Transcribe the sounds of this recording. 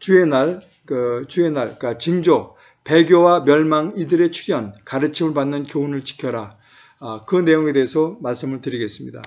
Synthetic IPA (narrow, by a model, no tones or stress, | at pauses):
t͡ɕue̞naɭ | ɯt͡ɕue̞naɭkat͡ɕiŋd͡ʑo | pe̞ɡjowamjʌɭmaŋidɯɾe̞t͡ɕʰu̥ɡjʌnkaɾɯt͡ɕʰimɯɭpanːɯnkjounɯɭt͡ɕi̥kʰjʌɾa | kɯne̞joŋe̞de̞ɦːsʰʌmaɭs͈ɯmɯɭtɯɾiɡe̞s͈ɯmɲida